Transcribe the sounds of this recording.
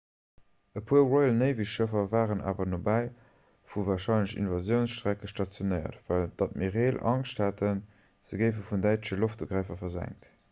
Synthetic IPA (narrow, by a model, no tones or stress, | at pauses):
əpʰuːɐʁoɪlnəɪviʃʃəfɐvaːʁənʔa̰ːvɐnobæɪ | fuvaːʁʃɑɪnləɕḭnvɑzjəʊnsʃtʁ̥ækəʃtɑt͡sjonəɪɐ̰tvæld̥ɑt̚miːɐʁeːlɑ̰ŋʃthætʰən | z̥əɡəɪfəfundæɪtəʃəloftuɡʁæˑɪfɐfɐzæ̰ŋt